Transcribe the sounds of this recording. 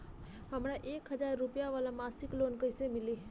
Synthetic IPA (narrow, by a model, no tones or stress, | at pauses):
ɦəmɾaʔeːkɦəd͡ʒaːɾːupijaʋaːlamaːsɪkloːnkəjsemɪli